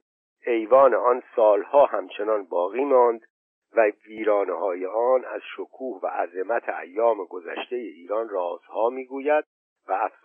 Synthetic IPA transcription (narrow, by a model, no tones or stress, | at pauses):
e̞jvɒːneɒnsɒːlhɒːhæmt͡ʃʰe̞nɒnbɒːɣiːmɒːnd̪ | væviːɾɒːnehɒːjeɒːnæz̥ʃokʰuːhvæ̰ʔæzemæt̪ʰeæ̰jːɒːmeɡo̞zæ̰ʃt̪e̞jeʔiːɾɒːnrɒːz̥hɒːmiːɡuːjæd̪̥̚ | væːfs